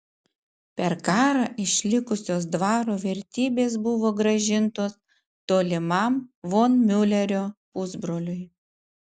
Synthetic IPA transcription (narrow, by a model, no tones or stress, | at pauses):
pʲɛɾkɑːɾɑʔɪʃʲlʲɪkʊsʲoːs̬d̪ʋɑːɾoːʋʲɛɾʲt̪ʲiːbʲeːs̬bʊʋoːɡɾɐʒʲɪnt̪oːs | t̪oːlʲɪmɐmʋoːnmʲʊlʲɛɾʲoːpʊzbɾoːlʲʊj